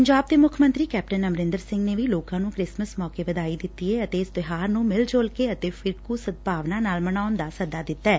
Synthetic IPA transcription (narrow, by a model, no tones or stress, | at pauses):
pəɲd͡ʒaːb̚d̪eːmʊkʰmə̃nt̪ɾiːkɛːp̚ʈənəmɾɪ̃nd̪əɾsɪ̃ŋɡneːʋiːloːkãːnũːkɾɪsməsmɔːkeːʋəd̪aːiːd̪ɪt̪ːiɛːət̪eːɪst̪ɪɦaːɾnũːmɪld͡ʒoːlkeːət̪eːpʰɪɾkuːsət̪̚bʱaːʋnaːnaːlməɳaːʊnd̪aːsəd̪aːd̪ɪt̪ːɛː